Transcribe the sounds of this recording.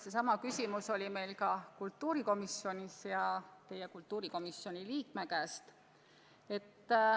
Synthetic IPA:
se̞sɑmɑkysʲimuso̞lʲime̞jlkɑkult̪ːuːɾiko̞misjo̞nʲisjɑt̪e̞jekult̪ːuːɾiko̞misjo̞nʲiliːkmekæːst̪ | e̞t̪ː

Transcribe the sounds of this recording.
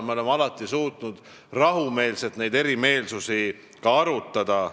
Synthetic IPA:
meole̞mɑlɑt̪ːˑisuːt̪nud̪̥ | rɑɦume̞ːlset̪ne̞jd̪e̞ɾime̞ːlsusi | kɑɑɾut̪ˑːɑd̪̥ɑ

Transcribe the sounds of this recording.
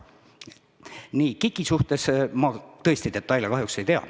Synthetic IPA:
niːkikːˑisuht̪e̞smɑt̪ɤ̞esʲt̪id̪̥e̞t̪ːˑɑjljɑkɑɦjukse̞jt̪eɑ̰

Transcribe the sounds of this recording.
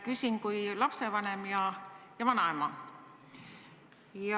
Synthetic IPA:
kysʲiŋkuilɑpsevɑne̞mjɑjɑvɑnɑemɑ | jɑ

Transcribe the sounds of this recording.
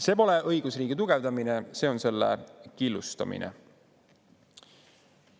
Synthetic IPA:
se̞ːpo̞leʔɤ̞jɡ̥usriːɡ̥it̪uɡ̥e̞vd̪ɑminese̞ːo̞nse̞lːḛkilːust̪ɑ̰mḭnḛ

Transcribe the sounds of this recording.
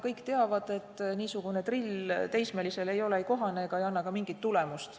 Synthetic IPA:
kɤjkːˑt̪e̞ɑvɑd̪̥e̞t̪ːniːsuɡ̥une̞t̪rilt̪e̞jsmelise̞le̞jo̞leejko̞ɦɑneɡ̥ɑejɑnːɑkɑmiŋɡ̥it̪ːule̞must̪

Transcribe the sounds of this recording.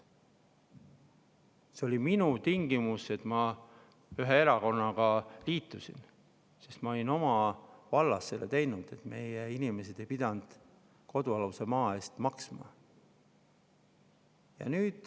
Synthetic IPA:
seolʲiminut̪iŋɡ̥imuse̞t̪mɑ | yɦee̞ɾɑko̞nːɑɡ̥ɑliːt̪ˑːusḭn | se̞st̪mɑo̞lino̞mɑvɑlːɑsːe̞let̪e̞jnud̪̥e̞t̪ˑme̞̰jeinime̞se̞d̪̥e̞jpid̪̥ɑnd̪̥ | ko̞d̪̥uɑluse̞mɑːe̞ːst̪mɑksmɑ̰ | jɑ̰nyːd̪̥

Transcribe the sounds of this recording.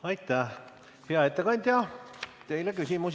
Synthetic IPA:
ɑjt̪ːæ | heɑet̪ːekɑnʲd̪̥ʲjɑt̪e̞jlekysʲimus

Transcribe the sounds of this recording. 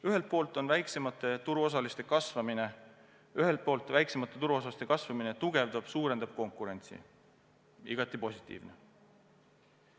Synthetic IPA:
yɦe̞lt̪̚poːlt̪ˑo̞nvæjksemɑt̪ːˑe̞t̪uɾuos̬ɑlist̪e̞kɑsvɑmine̞ | yɦe̞lt̪̚po̞ːlt̪ːˑvæjksemɑt̪ːˑe̞t̪uɾuos̬ɑst̪e̞kɑsvɑmine̞t̪uɡ̥e̞vd̪ɑb̥suːɾe̞nd̪̥ɑb̥̚ko̞ŋkuɾe̞nʲt̪sḭ | iɡ̥ɑt̪ːˑipo̞sʲit̪ʲːḭːvne

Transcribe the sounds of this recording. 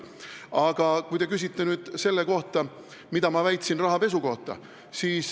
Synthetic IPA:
ɑɡ̥ɑkujt̪e̞kys̬ʲit̪ːenyːd̪̥se̞lːeko̞ht̪ɑ | mid̪ɑmɑvæjt̪sinrɑɦɑpe̞s̬uko̞ht̪ˑɑ̰ | siːs

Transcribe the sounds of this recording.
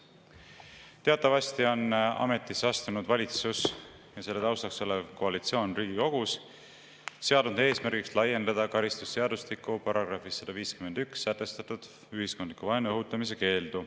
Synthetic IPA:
t̪eɑt̪ːˑɑvɑst̪io̞nɑ̰me̞t̪ˑːisɑst̪unud̪vɑlʲit̪sus | jɑse̞lːe̞t̪ɑwst̪ɑkso̞levko̞ɑlit̪sio̞ːnriːɡ̥io̞ɡ̥us | se̞ɑd̪und̪e̞ːsmærɡ̥ikslɑje̞nd̪ɑd̪̥ɑkɑɾist̪usːe̞ɑd̪ust̪ikːˑupɑɾɑɡ̥rɑfisːɑd̪̥ɑviːskyme̞nd̪̥yksːæt̪ːˑe̞st̪ɑt̪ˑud̪̥ | yɦisko̞nd̪likːuvɑenɤɦut̪ːˑɑmis̬e̞ke̞ːld̪̥u

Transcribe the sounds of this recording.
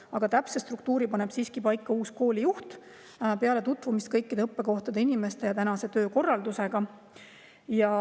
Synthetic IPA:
ɑɡ̥ɑt̪æpsest̪ruk̚t̪uːɾipɑne̞b̥siːskipɑjkːɑuːsko̞ːlʲijuht̪ | peɑle̞t̪ut̪ˑvumist̪̚kɤjkːˑid̪e̞ɤpːeko̞ht̪ɑd̪einime̞st̪e̞jɑt̪ænɑse̞t̪ø̞ːko̞rːɑld̪use̞ɡ̥ɑ | jɑ

